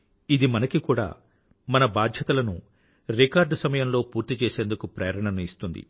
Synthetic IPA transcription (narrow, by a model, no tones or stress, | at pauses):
id̪imɐnɐkikuːɽa̰ː | mɐnɐbaːd̪ʱjɐt̪ɐlɐnu | ɾikaːɾɖsɐmɐjɐmlo̞ːpuːɾt̪it͡ʃe̞ːse̞ːnd̪ukupɾḛːɐɾɐɳɐnɐist̪und̪ḭ